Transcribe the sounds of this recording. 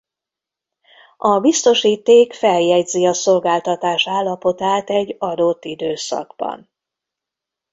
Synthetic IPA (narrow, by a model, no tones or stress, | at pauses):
ɒbist̪o̞ʃiːt̪eːkfɛljɛɟziɒso̞lɡaːlt̪ɒt̪aːʃaːlːɒpo̞t̪aːt̪ɛɟːɒd̪ot̪ːid̪øːsɒ̰ɡ̥bɒ̰n